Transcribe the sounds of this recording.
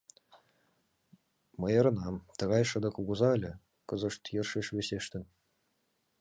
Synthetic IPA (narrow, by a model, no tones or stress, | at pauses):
mɤ̆jɤ̆ɾɤ̆nɑmt̪ɤ̆ɣɑjʂɤ̆d̪ɤ̆kuɡuzɑɘlʲɘ̆ | kɤ̆zɤ̆ʂt̪jɤ̆rʂiʂβʲeseʃt̪ʲɘ̆nʲ